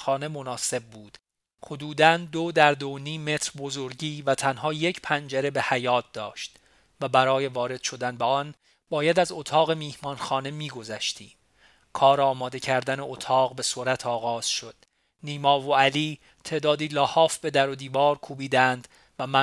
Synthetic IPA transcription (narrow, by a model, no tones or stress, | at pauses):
xɒːne̞mo̞nɒːse̞b̚ːuːd̪̥ | hod̪uːd̪ænd̪od̪æɾd̪oniːmːe̞t̪ʰɾbo̞zo̞ɾɟiːvæt̪ʰænɦɒːje̞cʰpʰænd͡ʒeɾe̞be̞hæjɒːt̪̚d̪ɒːʃt̪ | væbæɾɒːje̞vɒːɾe̞d̪̥ʃo̞d̪ænbeɒn | bɒːjæd̪æzot̪ʰɒːɣe̞miːhmɒːnxɒːne̞miːɡozæʃt̪ḭːm | kʰɒːɾɒːmɒːd̪e̞cʰæɾd̪æneot̪ʰɒːɣbe̞soɾæt̪ʰɒːɣɒːz̥ʃo̞d̪̥̚ | niːmɒːvoæliː | t̪ʰe̞ːʔd̪ɒːd̪iːlɒːhɒːfbe̞d̪æɾo̞d̪iːvɒːɾkʰuːbiːd̪ænd̪ | væmæ